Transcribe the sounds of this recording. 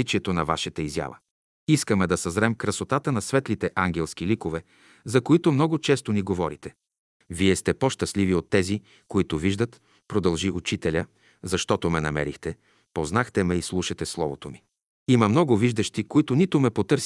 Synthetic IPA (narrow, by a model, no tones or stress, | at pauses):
it͡ʃiɛt̪onɐva̰ʃɛt̪əizja̰və̰ | iskəmɛd̪ɐsɐzɾɛmkɾɐsot̪at̪ənɐsvɛt̪lit̪ɛʔaŋɡʲɛlˠsk̟ilikovɛ | zɐkoit̪omnɔɡʊt͡ʃɛst̪oniɡovɔɾit̪ɛ | viɛst̪ɛpoʃt̪ɐsliviot̪ːɛzi | koit̪ʊviʒd̪ət̪ | pɾod̪ɐlˠʒiut͡ʃit̪ɛlʲə | zɐʃt̪ɔt̪omɛnɐ̰mɛ̰ɾixt̪ɛ | poznaxt̪ɛmɛislˠuʃɐt̪ɛslˠɔvot̪omi | imɐmnɔɡʊviʒd̪ɐʃt̪ikoit̪ʊnit̪ʊmɛpot̪ɤɾs